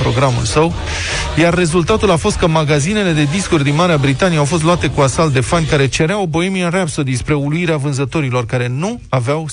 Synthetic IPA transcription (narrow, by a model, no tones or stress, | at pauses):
pɾo̞ɡɾamṵlsəw | jarːe̞zult̪at̪ulafo̞st̪̚kəmaɡazine̞le̞d̪e̞d̪iskurʲd̪inmaɾeabɾit̪anieawfo̞st̪luat̪e̞kuasalt̪d̪e̞fanʲkaɾe̞t͡ʃe̞ɾeawbo̞e̞miarapsod̪inspɾe̞uluiɾeavɨnzət̪o̞ɾilo̞rkaɾe̞nuaveaw